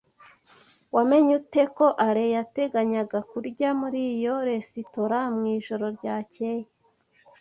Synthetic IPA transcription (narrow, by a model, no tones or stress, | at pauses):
wame̞ɲute̞ko̞ʔaɾejate̞ɡaɲaɡakuɾɟamuɾijo̞ɾe̞sitoɾamŋiːʒo̞ɾo̞ɾɟaːce̞je